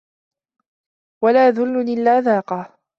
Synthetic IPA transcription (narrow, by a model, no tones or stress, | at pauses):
walaːðʊlːʊnɪlːaːðaːqɑ